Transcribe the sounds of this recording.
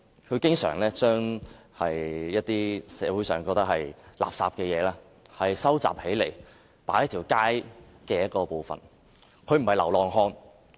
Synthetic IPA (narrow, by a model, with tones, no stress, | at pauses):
kʰɵ˨˧ɥkɪ˥ŋsœ̰ː˨˩ŋlɛː˥t͡ʃœː˥ŋhɐ˨jjɐ˥t̚t̪iː˥sɛ̰ː˨˥wu˨˥sœː˨˩ŋkɔː˧k̚t̪ɐ˥khɐ˨jla̰ː˨p̚saː˨pkɛː˧jɛː˨˧laː˧˥ | hɐ˨jsɐ˥wt͡sa̰ː˨p̚he˨˥jle˨˩j | pa̰ː˨˥jɐ˥t̪ʰiː˨˩wkaː˥j | kɛː˧jɐ˥t̚kɔː˧po˨˧wfɐ̰˨˩n | kʰɵ˨˧ɥm̩˨˩hɐ˨˩jlɐ˨˩wlɔː˨ŋɦɔː˧ŋ